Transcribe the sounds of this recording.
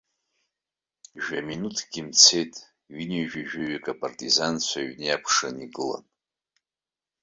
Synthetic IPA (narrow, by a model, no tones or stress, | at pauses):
ʒᶣaminutʰɡ̥ʲɪmt͡sʰe̞jtʼ | ɥineʒᶣiʒᶣaɥikʼapʼartʼizant͡ɕʷʰaɥnejapʰʂaniɡɨla̰n